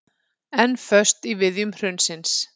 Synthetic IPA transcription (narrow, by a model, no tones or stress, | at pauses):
ɛnːfœ̥st̪ivɪðjʏmr̥ʏnsɪns